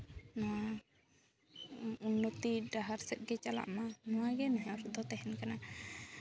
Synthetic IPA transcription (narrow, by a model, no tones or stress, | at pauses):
nɔwa | unːot̪iɖaɦaɾsɛt̪̚ɡɛt͡ʃala̰ʔmanɔwaɡɛnɔɦɛ̃ɔɾd̪ɔt̪ɛɦɛnkana